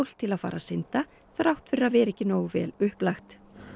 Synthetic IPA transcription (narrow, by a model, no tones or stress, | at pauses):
wl̥t̪ʰɪlaðfa̰ːɾasɪnt̪a | θɾawht̪fɪɾaðvɛːɾɛhcɪnoːwɣvɛ̰ːlʏhplajxt̪